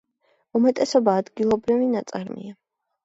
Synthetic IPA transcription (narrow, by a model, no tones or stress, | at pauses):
umɛt̪ʼɛsɔbaːd̪ɡilˠɔbɾivinat̪sʼaɾmḭa